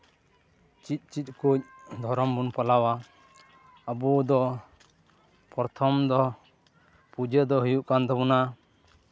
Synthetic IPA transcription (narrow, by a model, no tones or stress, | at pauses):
t͡ʃit̪̚ˀt͡ʃit̪̚ˀkuc̚d̪ʱɔɾɔmbunpalawa | bud̪ɔ | pɔɾt̪ʰɔmd̪ɔ | pud͡ʒɛd̪ɔɦujuʔkand̪ɔbuna